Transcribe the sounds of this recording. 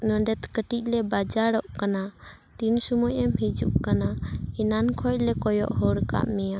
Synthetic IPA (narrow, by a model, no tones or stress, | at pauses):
nəɖɛt̪kəʈic̚ˀlɛbad͡ʒaɽɔʔkana | t̪insɔmɔjɛmɦɛd͡ʒṵʔkanaɛnankʰɔc̚lɛkɔjɔ̰ʔhɔɽka̰ʔmɛja